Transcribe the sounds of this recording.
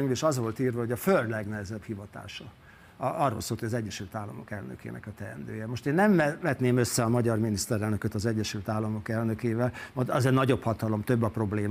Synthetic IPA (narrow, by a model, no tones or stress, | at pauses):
ɲveʃɒzʋo̞lt̪iːrvɒɦo̞ɟɒføld̪lɛɡnɛɦɛzɛbhivɒt̪a̰ːʃɒ | ɒrːo̰lsoːlt̪hoɟɒzɛɟːɛʃylt̪aːlːɒmo̞kɛlnø̰kḛːnʔɛ̰kɒt̪ɛɛ̰nd̪ø̰ːjɛmoʃt̪eːnːɛmːɛʋɛt̪neːmø̞sːɛɒmɒɟɒrminist̪ɛɾɛlnøkøt̪ɒzɛɟːɛʃylt̪aːlːɒmo̞kɛlnø̞keːvɛlmod̪ɒzɛnɒɟo̞phɒt̪ɒlo̞mt̪ø̞bːɒpro̞bleːm